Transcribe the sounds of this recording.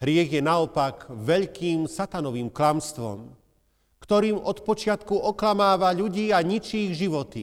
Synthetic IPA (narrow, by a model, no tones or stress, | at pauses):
ɦɾɪɛɣjɛnaɔpaɡʋɛʎkiːmsat̪anɔʋiːmklamst̪ʋɔ̰m | kt̪ɔɾiːmɔt̪pɔt͡ʃɪat̪kuɔklamaːʋaʎuɟiːaɲit͡ʃiɣʒiʋɔt̪i